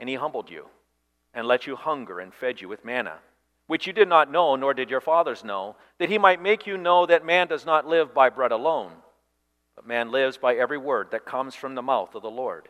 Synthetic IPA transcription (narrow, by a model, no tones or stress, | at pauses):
ɨ̃nihɦʌ̃mbl̩ˠdʉ̰ | ɨ̃nlɛt͡ʃɨhʌ̃ŋɡə̰˞ɨ̰̃nfɛd͡ʒɨwɨðmænə̰ | wɨt͡ʃjɨdɨdⁿnətⁿnoʊnɔɹdɨd͡ʒə˞fɑðə˞znoʊ | ðɨt̚himaɪt̚meɪkʰjɨnoʊðɨt̚mæ̃ndʌznətˡlɪvbaɪbɹɛɾəlõʊ̃n | b̥ʌt̚mæ̃nlɪvzbaɪɛvɹiwɜ˞d̪̚ðɨt̚kʰʌ̃mz̥fɹʌ̃mðəmaʊθʌvðəlɔɹd̥